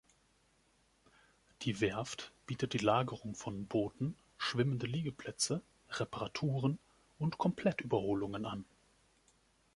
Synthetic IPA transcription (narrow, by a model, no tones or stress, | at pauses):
d̥iːvɛɐftb̥iːtət̚d̥iːlaːɡəʁʊŋfɔnboːtn̩ | ʃv̥ɪməndəliːɡəpʰl̥ɛt͡sə | ʁɛpaʁatʰuːʁ̞ən | ʔʊntkʰɔmpʰl̥ɛtʔyːbɐhoːlʊŋənan